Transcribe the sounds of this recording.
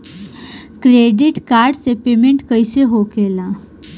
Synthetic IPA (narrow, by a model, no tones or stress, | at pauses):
kɾeːɖɪʈkaːɾɖsepeːmẽɳʈkəiseɦokela